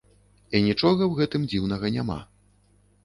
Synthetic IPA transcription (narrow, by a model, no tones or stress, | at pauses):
inʲit͡ʂɔɣɐwɣɛt̪ɨmd͡zʲiwnɐɣɐnʲama̰